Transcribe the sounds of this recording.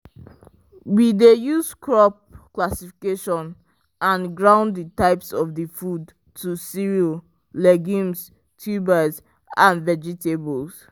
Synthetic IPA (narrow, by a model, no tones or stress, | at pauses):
widejuzkʰɹɔp̚klasifikeʃɔ̃n | ʔãnɡɹãʊ̃nditaɪpsɔvdifud | tʰːusiɹio | lɛɡĩms | tʰubəz | ãnvɛd͡ʒitebɔls